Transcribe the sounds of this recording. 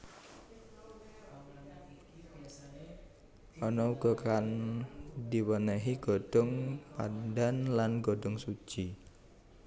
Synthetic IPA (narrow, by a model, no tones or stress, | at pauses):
ʔɔnɔuɡ̥ɔkan | diwənəɦiɡ̥ɔɖ̥ɔŋpadanlanɡoɖɔŋsu̥ʒ̥i